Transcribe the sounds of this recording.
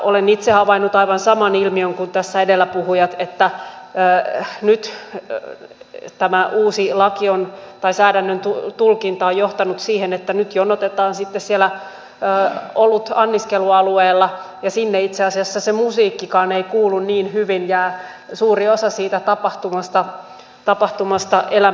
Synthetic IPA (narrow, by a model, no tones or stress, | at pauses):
ʔolenit̪sehɑʋɑinːut̪ɑiʋɑnsɑmɑnilmioŋkunt̪æsːæedelːæpuhujɑt̪et̪ːæː | nyt̪ | t̪æmæʔuːsilɑkiont̪ɑisæːdænːønt̪ut̪ulkint̪ɑːjjoht̪ɑnut̪siːhenet̪ːænyt̪joonot̪et̪ɑːnsit̪ːessielæː | olːut̪ɑnːiskeluɑlueːlːɑ | jɑsinːeit̪seɑsiɑsːɑsemusiːkːikɑːneikuːlːunniːnhyʋinjæː | suːriosɑsiːt̪æt̪ɑpɑht̪umɑst̪ɑ | t̪ɑpɑht̪umɑst̪ɑʔelæ